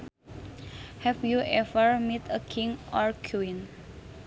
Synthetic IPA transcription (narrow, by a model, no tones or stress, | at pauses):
hɛfjuʔɛvəɹmet̪ʰəkʰĩŋɔɹkʰuin